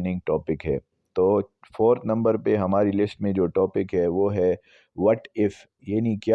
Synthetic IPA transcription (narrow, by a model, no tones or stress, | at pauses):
nɪ̃ŋɡ̚ʈɔːpɪkɦɛ̰ː | t̪oːfʰoːɾt̪nɐ̃mbəɾpeɦɐmaːɾilɪsʈmẽd͡ʒoːʈɔːpɪkɦɛʋoɦɛ | ʋɐʈɪf | jaːnikja